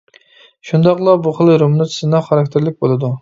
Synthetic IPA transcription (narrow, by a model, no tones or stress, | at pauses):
ʃund̪ɑqlˠɑbuχəlˠɾomnut̪ʰsɨnɑχɑɾɑk̚ʲt̪ʰɪɾlɪkʲbolˠɨd̪u